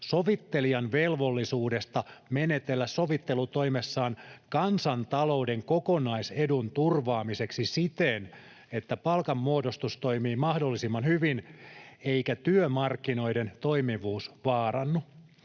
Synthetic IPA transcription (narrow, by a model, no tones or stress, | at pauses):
soʋit̪ːe̞liɑnʋelʋo̞lːisuːdest̪ɑmenet̪e̞lːæssoʋit̪ːelut̪o̞jmesːɑːnkɑnsɑnt̪ɑlo̞ude̞ŋkokonɑise̞dunt̪urʋɑːmise̞ksisit̪en | et̪ːæpɑlkɑmːuodost̪ust̪o̞imiːmɑhdolːisimːɑnhyʋineijkæt̪yømɑrkːino̞jde̞nt̪o̞jmiʋuːsʋɑːrɑnːu